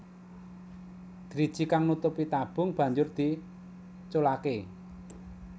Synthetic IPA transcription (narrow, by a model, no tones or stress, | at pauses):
d̪̥ɾid̥ʒ̥i̤kaŋnut̪ʊpit̪ab̥ʊ̤ŋb̥ä̤ɲd͡ʒʊrd̪̥i̤ | t͡ʃolake